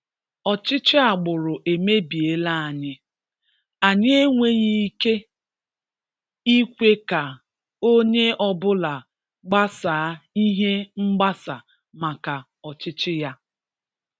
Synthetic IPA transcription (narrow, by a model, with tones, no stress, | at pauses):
ɔ˨t͡ʃɪ˦t͡ʃɪ˦a˨ɡ͡bʊ˨ɾʊ˨ʔe˨me˦bi˨e˦la˦˨a˨ɲɪ˦ | a˨ɲe˦ŋʷe˦ɲi˦ke˦ | i˦kʷe˦ka˨ | o˦ɲe˦ʔɔ˦bʊ˦la˨ | ɡ͡ba˦saː˨a˦i˦ɦe˦ŋ͡m̩˦ɡ͡ba˦sa˨ | ma˨ka˨ | ɔ˨t͡ʃɪ˦t͡ʃɪ˦ja˦